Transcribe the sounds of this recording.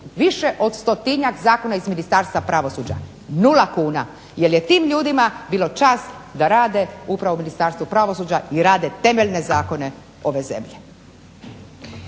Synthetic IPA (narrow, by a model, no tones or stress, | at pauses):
ʋiʃe̞ʔo̞d̪st̪o̞t̪iɲakzaːko̞naizminist̪aːɾst̪ʋapɾaʋo̞suːd͡ʑa̰ | nulakuːna | je̞lje̞t̪iːmʎuːd̪imabiːlo̞t͡ʃaːsd̪aɾaːd̪e̞upɾaʋominist̪aːɾst̪ʋupɾaʋosuːd͡ʑaiɾaːd̪e̞t̪e̞meʎne̞zaːko̞ne̞ | o̞ʋe̞ze̞̰mʎe